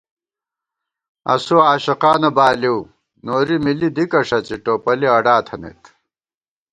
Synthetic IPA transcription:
ɐ̰suaːɕɐqaːnɐbaːliw | noːɾimilid̪ikɐʂɐt͡ɕiʈoːpɐliɐɖaːt̪ʰɐnḛt̪

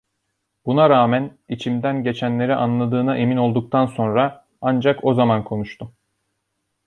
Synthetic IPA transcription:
b̥unaɾaːmænit͡ʃʰimd̪ænɟe̞t͡ʃʰænlʲe̞ɾiʔanlˠad̪ɯːnaʔe̞mino̞lˠd̪uk̚t̪ʰanso̞nɾa | and͡ʒakʰo̞zamankʰo̞nuʃt̪ʰʊ

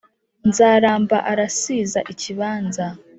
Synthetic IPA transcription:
nzaːɾaːmba̰ʔaɾasiza̰ʔiciβaːnza

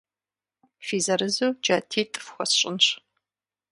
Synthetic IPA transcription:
fiːzɐɾɨzowd͡ʒatʰiːtʼɨ̥fxʷɔsɕʼɪnɕ

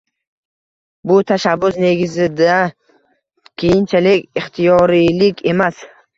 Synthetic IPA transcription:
bʊt̪ʰaʃabːʊsne̞ɡʲɪzɪd̪a | kʲʰejɪnt͡ʃʰalɪkʲɪχt̪ʰijɒɾilɪkʲʰe̞mas

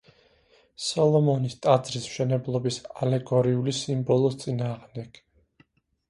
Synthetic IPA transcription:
sɔlˠɔmɔnist̪ʼad̪zɾism̥ʃɛnɛblˠɔbisalɛɡɔɾiulisimbɔlˠɔst̪sʼinaːʁmd̪ɛɡ̥

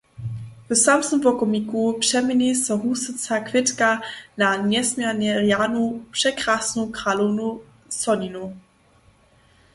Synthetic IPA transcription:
vəsamsəmpɔkɔmikupʂɛmɪɲisɔɦusɪt͡sakvɪtkanaɲɛsmjɛɾɲɛrjanupʂɛkɾasnukɾalunu | sɔɲinu

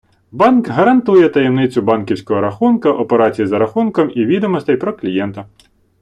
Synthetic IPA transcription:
bɑnkɦɐɾɐnt̪ujɛt̪ɐjɛmnɪt͡sʲʊbɑnkʲiwsʲkɔɦɔɾɐxunkɐʔɔpeɾɑt͡sʲijizɐɾɐxunkɔmiʋʲid̪ɔmɔst̪ɛjpɾɔklʲijɛnt̪ɐ

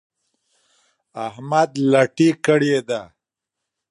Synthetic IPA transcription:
ahmad̪laʈikəɽed̪a

